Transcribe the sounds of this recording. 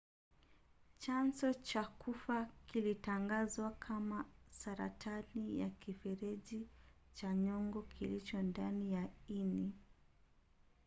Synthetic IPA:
t͡ʃansɔt͡ʃakufakilitaŋɡazwakʰamasaɾa̰tʰanija̰kifɛɾɛʄi | t͡ʃaɲɔŋɡɔkʰilit͡ʃɔndanijaini

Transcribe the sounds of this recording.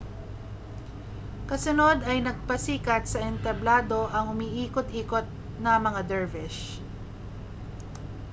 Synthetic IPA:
kɐsʊnod̪ɐjnɐɡ̚pɐsiːkɐt̪sɐʔɛnt̪ɐblaːd̪o̞ʔɐŋʊmiːʔiːkot̪ʔiːkot̪̚ | nɐmɐŋad̪ɛɹvɪʃ

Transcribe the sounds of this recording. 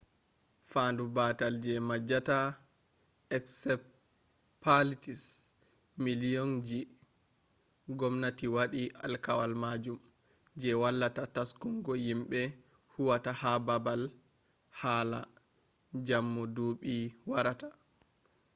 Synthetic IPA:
fandubatald͡ʒɛmad͡ʒata | ɛksɛp | pʰalitis | milijɔnd͡ʒi | ɡɔmnatiwaɗiʔalkawalmad͡ʒum | d͡ʒɛwalːatataskuŋɡɔjimɓɛ | huwatahababal | haːla̰ | d͡ʒamːɔduɓiwaɾatḁ

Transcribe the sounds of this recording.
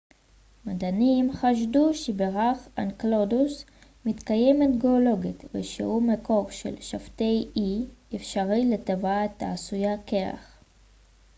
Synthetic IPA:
madanimχaʃ̬duʃebeʁaχanklodus | mitkajemetɡeolo̞ɡitvḛʃḛʔumeko̞ʁʃḛlʃafte̞jiefʃaʁiletavaːt̪a̰ːsujakea̰χ

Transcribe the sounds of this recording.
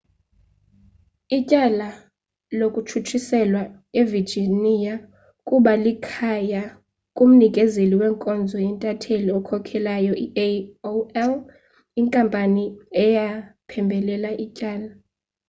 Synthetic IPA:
icʼala | lokʼutʰutʰisɛlwa | evird͡ʒinija | kʼuɓalikʰaja | kʼum̩nik̬ʼɛzeliwɛːŋkʼɔnd͡zʱɔjɛntʼatʰeliɔkʰɔkʰɛlajɔʔiʔeoɛl | iŋkʼampʼaniɛjapʰɛmbʱɛlɛlaʔicʼaːla

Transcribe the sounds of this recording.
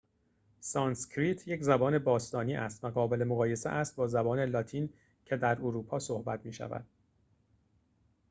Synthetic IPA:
sɒːnscʰɾiːt̪ʰje̞czæbɒːne̞bɒːst̪ɒːniːʔæ̰st̪væɣɒːbe̞le̞moɣɒːje̞sḛʔæst̪̚bɒːzæbɒːne̞lɒːt̪ʰiːn | cʰe̞d̪æɾoɾuːpʰɒːsohbæt̪ʰmiːʃæ̰væ̰d̪̥

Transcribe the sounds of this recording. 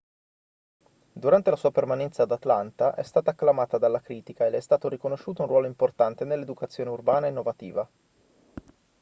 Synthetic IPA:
d̪uɾant̪elasuːapermanɛnt̪saːd̪at̪lant̪aʔɛ̰st̪aːt̪aːkːlamaːt̪ad̪alːakɾiːt̪ikaelːɛst̪aːt̪oɾikonoʃːuːt̪ounrwɔːloimport̪ant̪enelːed̪ukat̪sːjoːneurbaːnaenːovat̪ḭːva

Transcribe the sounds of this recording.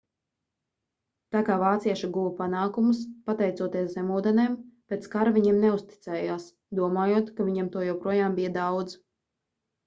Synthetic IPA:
t̪akaːvaːt̪siɛʃaɡuvapanaːkumuspat̪ɛjt̪suɔt̪iɛszɛmuːd̪ɛneːmpʲet̪skaɾavʲiɲiɛmnɛust̪i̥t̪sɛːjaːs | d̪uɔmaːjuɔt̪kaviɲɛmt̪uɔjɛwpɾuɔjaːmbijad̪awd̪z

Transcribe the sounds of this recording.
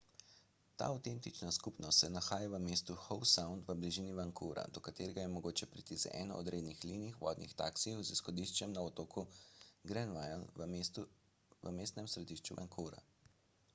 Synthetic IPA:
t̪a̰ːawt̪ent̪it͡ʃnaskupnɔst̪sɛnaxaːjaʋəmeːst̪uxɔwsawndt̪ʋəbliʒiːniʋaŋkʰuɾa̰d̪ɔkat̪eːɾɛɡajɛmɔɡoːt͡ʃɛpɾit̪izɛ̰ʔɛːnɔ̰ʔɔd̪ɾeːd̪nixliniixʋɔ̰ːd̪nḭxt̪aksiwzisxɔd̪iʃt͡ʃɛmnaɔt̪oːkʰuɡɾɛnʋajal | ʋəmeːst̪nɛmsɾɛd̪iʃt͡ʃuʋa̰ŋkʰuɾa̰

